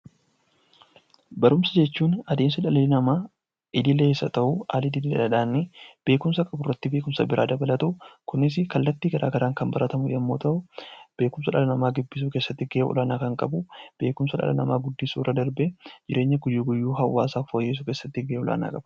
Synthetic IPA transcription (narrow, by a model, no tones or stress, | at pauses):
bɐɾʊmsɐd͡ʒɛt͡ʃːuːnɐd̪e̞ːmsɐᶑɐlɐlɪnɐmaː | ɪd̪ɪlːeeːsːɐ̰t̪ɐʔuʔa̰ːlɪd̪ɪdɪlɛ̰ᶑɐᶑaːnːɪb̥e̞ːkʊmsɐkʼɐbʊrːɐt̪ːɪbe̞ːkʊmsɐbɪɾʔaːd̪ɐbɐlɐt̪ɐʊkʊnːɪs̬ɪkɐlːɐt̪ːiːɡɐɾʔaːɡɐɾaːŋkɐmbɐɾɐt̪ɐmʊjɐmːo̞̰ːt̪ɐʔʊb̥e̞ːkʊmsɐᶑɐlɐnɐmaːɡɪbːɪs̬uːke̞ːsːɐt̪ːɪɡeɔ̰laːnaːkɐŋkʼɐbʊb̥e̞ːkʊmsɐᶑɐ̰lɐ̰nɐ̰maːɡʊd̪ːɪsṵːɾɐd̪ɐɾbɛd͡ʒɪɾʔe̞ːɲːɐɡʊd͡ʒiːɡʊjːuːɦɐwːaːsaːfoːjːeːs̬ʊkeːsːɐt̪ːɪɡeɔla̰ːna̰ːkʼɐb̥ɐ̥